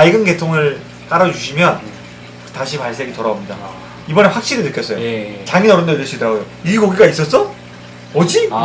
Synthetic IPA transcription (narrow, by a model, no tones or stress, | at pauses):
aiɡɯnɡe̞tʰoŋɯɭ | k͈aɾʌd͡ʑuɕʰimjʌn | taɕʰipaɭs͈eɡitʌɾaɡomɲida̰ | ibʌneɸwak̚ɕ͈iɾinɯk͈jʌs͈ʌjot͡ɕaŋinʌɾʌndedɯɭs͈uit͈ːaɡojo | ikoɡiɡais͈ʌs͈ʌ | ʌd͡ʑi